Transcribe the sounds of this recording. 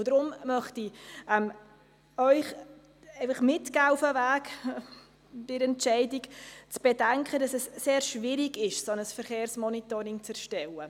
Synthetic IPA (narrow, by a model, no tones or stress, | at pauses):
d̥ɾʊmmœχtiɛm | œʏχ | ɛɪfɑχmɪtkaʊfəvæːk | dɪɾɛntt͡ʃɛɪdɪkt͡sb̥ɛdɛŋkχədɑsɛsːeːɾʃvɪɾɪɡɪʃsɔnəsfəɾχeːɾsmɔnitɔɾɪŋt͡sɛɾʃtɛlə